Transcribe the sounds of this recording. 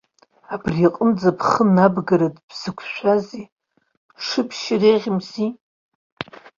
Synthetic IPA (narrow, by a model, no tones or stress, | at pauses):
abriaqʼəmd͡zapʰχənabɡaɾatʼb̥z̥ɨkʷʰʃʷazi | ʂɨpʰʃɪreʁʲɪmzi